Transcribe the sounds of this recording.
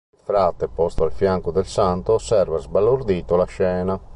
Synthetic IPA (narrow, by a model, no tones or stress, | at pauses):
ilfɾat̪ːepɔst̪oalfjaŋkod̪ɛlsant̪oːsɛɾvazbalːoɾd̪iːt̪olaʃɛːna